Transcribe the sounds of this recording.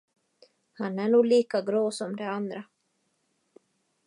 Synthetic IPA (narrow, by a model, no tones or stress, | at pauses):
hanæɳuːɡliːkaɡɾoːsɔmd̪ɛand̪ɾa